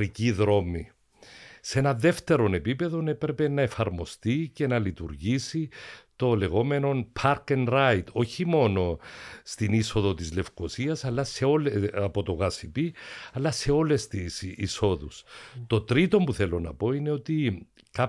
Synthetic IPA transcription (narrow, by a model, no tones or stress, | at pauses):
ɾiciðɾo̞mi | see̞nɐðe̞ft̪e̞ɾo̞ne̞pipe̞ðo̞ne̞pɾe̞pe̞nɐe̞fɐɾmo̞st̪ice̞nɐlit̪uɾʝisit̪o̞le̞ɣo̞me̞no̞npʰɐɾkenɾajt̪ʰo̞çimo̞no̞st̪iniso̞ðo̞t̪izle̞fko̞siɐsɐlːɐse̞o̞leɐpo̞t̪oɣɐsipiɐlːɐse̞o̞le̞st̪isḭso̞ðust̪o̞t̪ɾit̪o̞mpuθe̞lo̞nɐ̰po̞ine̞o̞t̪i | ka